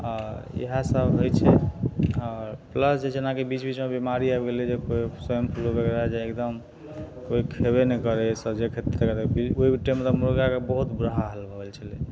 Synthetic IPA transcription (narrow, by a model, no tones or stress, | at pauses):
ɔɾḛɦasəbɦojt͡ʃʰɛ | ɔɾpləsd͡ʒed͡ʒʰenakebit͡ʃbit͡ʃmebimaɾiabɡeled͡ʒekoisəjəmpʰulokekɾaed͡ʒaekd̪əm | koikʰebenekəɾesəd͡ʒekʰet̪t̪ekət̪bioibiʈːemet̪ɔmuɾoɡakebəɦut̪bɾəɦaɦəlbəbelt͡ʃʰəle